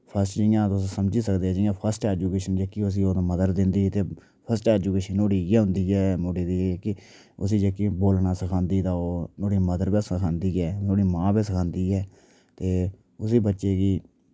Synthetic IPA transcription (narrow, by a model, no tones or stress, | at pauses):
pʰəsʈd͡ʒɪjãːt̪ʊssəmd͡ʒiːsəkd̪eːɛːd͡ʒɪjãːpʰəɾsʈɛːd͡ʒuːkeːʃənd͡ʒeːkiːʊs̬iːoːt̪ːməd̪əɾd̪ɪnd̪iːt̪eː | pʰəɾsʈɛːd͡ʒuːkeːʃənoːɽiːjɛːɦʊ̃nd̪iːɛːmoːɽiːd̪iːkɪ | ʊs̬iːd͡ʒeːkiːboːlnaːsəkʰãːnd̪iːt̪aːoːnoːɽiːməd̪əɾbeːsəkʰãːnd̪iːɛːnoːɽiːmãːbẽːsəkʰãːnd̪iːɛː | t̪eː | ʊs̬iːbətːʃeːɡiː